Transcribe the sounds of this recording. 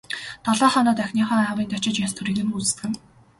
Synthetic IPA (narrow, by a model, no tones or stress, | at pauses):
t̪ʰaɮɔːχɔːnɔːt̪æxʲniːχɔːawiːnt̪ʰat͡ɕɪ̆t͡ɕjast̪ʰuɾiːɣĭːŋut͡sɘ̥̆st̪ɘ̆ɡɘ̆m